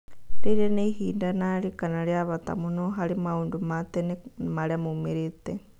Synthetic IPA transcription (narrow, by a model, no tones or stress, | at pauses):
liɾenihiːndanalikanaljaβat̪a̰munoɦalimaundumat̪enmalemumiɾit̪e